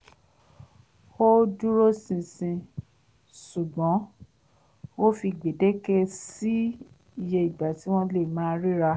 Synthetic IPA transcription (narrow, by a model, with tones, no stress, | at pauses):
o˦du˦ɾo˦sĩ˧sĩ˧ | su˨ɡ͡bɔ̃˨˦ | o˦fi˧ɡ͡be˨de˦kɛ˦si˦ | i˨je˧i˨ɡ͡ba˨ti˨˦w̃ɔ̃˦le˦˨mãː˨˦ɾi˦ɾa˧